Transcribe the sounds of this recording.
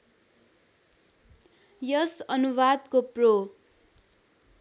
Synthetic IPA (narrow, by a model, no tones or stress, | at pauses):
jʌsʌnuwad̪kopro